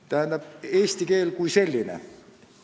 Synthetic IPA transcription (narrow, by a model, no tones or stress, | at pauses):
t̪æːnt̪æpesʲt̪ikeːlkuiselːinḛ